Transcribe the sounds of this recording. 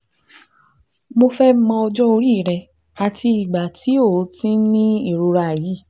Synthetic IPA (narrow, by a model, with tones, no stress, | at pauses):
mo˧fɛ˦mɔ̃˧ɔ˧d͡ʒɔ˦o˧ɾi˦˨ɾɛ˧˨ | a˨ti˧i˨ɡ͡ba˨ti˨˦o˦˨˦tĩ˦nĩ˦i˦˨ɾo˧ɾa˧˨ji˨˦˨